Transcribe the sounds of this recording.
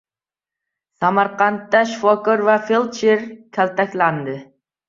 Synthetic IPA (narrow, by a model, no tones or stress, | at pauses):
samaɾqɑnt̪ːaʃfɒkoɾvafelˠt͡ʃeɾkʲʰalt̪ʰakʲland̪ɪ